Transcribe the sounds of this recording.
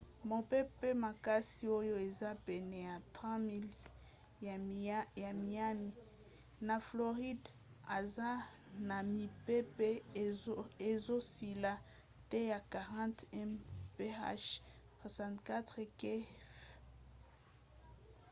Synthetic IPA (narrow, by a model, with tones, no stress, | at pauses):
mo˨pe˦pɛ˦ma˨ka˦si˦o˦jo˦e˨za˦pɛ˨nɛ˨ja˨tʁã˦mi˦l | ja˨mi˨a˦mi˨ | na˨flo˨ʁi˦d | a˨za˦ | na˨mi˨pɛ˦pɛ˦ | e˨zo˦si˨la˦ | tɛ˦ja˨ka˨ʁɑ̃˦tɛ˦mpe˦a̰˦ʃ | swa˨sã˨ntka˦tʁe˨kɛ˦f